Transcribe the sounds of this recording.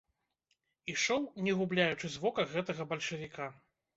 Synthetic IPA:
iʂɔwnʲɛɣublʲajut͡ʂɨzvɔkɐɣɛt̪ɐɣɐbɐlʲʂɐvʲika

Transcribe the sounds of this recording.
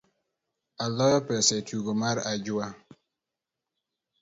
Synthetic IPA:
alɔjɔpɛsɛtuɡomaɾad͡ʒʊa

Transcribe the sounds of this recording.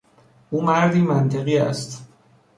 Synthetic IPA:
ʔuːmæɾd̪iːmænt̪ʰe̞ɣiːæ̰st̪

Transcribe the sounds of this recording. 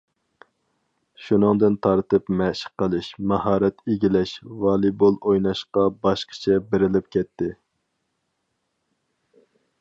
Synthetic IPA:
ʃunɨŋd̪ɨnt̪ʰɑɾt̪ɨpmɛʃɪ̥qːəlˠɨʃmɑhɑːɾɛt̪ʰeɡʲilɛʃvɑːlˠibolˠojnɑʃqɑbɑʃqʰə̥t͡ʃʰɛbeɾɪlɪp̚kʲʰɛt̪ʰːɪ

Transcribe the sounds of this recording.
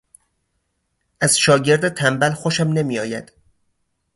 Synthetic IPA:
ʔæzʃɒːɟe̞ɾd̪et̪ʰæmbælxoʃæmne̞miːjɒːjæ̰d̪̥

